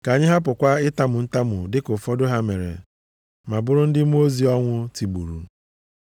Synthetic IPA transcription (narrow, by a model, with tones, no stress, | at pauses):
ka˨ɲɪ˦ɦa˦p̬ʊ˨kʷa˦ɪ˦ta˦mʊ˨n̩˦ta˦mʊ̰˨dɪ˦kʊ˨fɔ˦dʊ˦ɦa˦me˨ɾḛ˨ | ma˨bʊ˦ɾʊ˦n̩˦dɪ˦m˦o˦zi˨˦ɔ˦ŋʷʊ˦ti˨ɡ͡bu˨ɾṵ˨